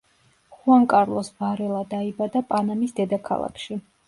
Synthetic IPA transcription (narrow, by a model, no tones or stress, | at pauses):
χuaŋkʼaɾlˠɔsbaɾɛlˠad̪aibad̪apʼanamisd̪ɛd̪akʰa̰lˠa̰kʰʃi